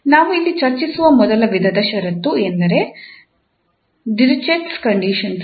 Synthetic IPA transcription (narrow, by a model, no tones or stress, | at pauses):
naːʋuilːit͡ʃɐɾt͡ʃisuʋɐmɔd̪ɐlɐʋid̪ʱɐd̪ɐʃɐɾɐt̪ːuend̪ɐɾe̞ | ɖiɾt͡ʃeʈskɐɳɖiʃɐns